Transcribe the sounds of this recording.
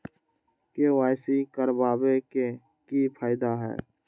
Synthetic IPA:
kewaːjsikəɾbaːbeke | kipʰaːɪd̪aɦɛ̰ː

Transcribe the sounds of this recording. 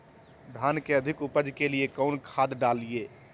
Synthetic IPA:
d̪ʱankeəd̪ʱikupəd͡ʒkelijekəʊnkʰad̪ɖalije

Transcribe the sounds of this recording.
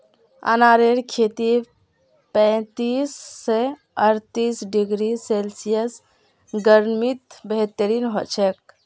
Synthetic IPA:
a̰naɾeɾkʰet̪i | pɛ̃t̪isːe | əɾt̪isɖiɡɾiselsijəs | ɡəɾmit̪bəɦt̪əɾinɦo̰t͡ʃʰɛk̚

